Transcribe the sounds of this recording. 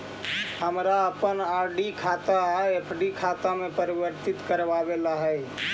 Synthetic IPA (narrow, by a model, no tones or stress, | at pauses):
həmɾaəpənaɾɖikʰat̪aːepʰɖikʰat̪amepəɾibəɾt̪it̪kəɾʋabelaɦəj